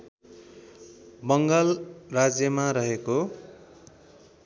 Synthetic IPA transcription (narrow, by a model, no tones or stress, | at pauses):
bʌŋɡʌlrad͡zjʌmaɾʌɦeko